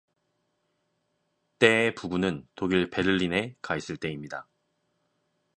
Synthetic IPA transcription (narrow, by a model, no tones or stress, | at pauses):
t͈e̞ːpubunɯntoɡiɭpe̞ɾɯʎːine̞kais͈ɯɭt͈e̞imɲida